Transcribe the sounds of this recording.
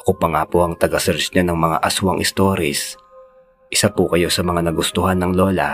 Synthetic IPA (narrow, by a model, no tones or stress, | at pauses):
ʔɐkopɐŋaːpoʔɐŋt̪ɐɡasɛɾt͡ʃɲanɐŋmɐŋa̰ʔɐswɐŋʔɪst̪o̞ɾɪs | ʔɪsapʊkɐjo̞sɐmɐŋanɐɡʊst̪ʊhanːɐŋloːla̰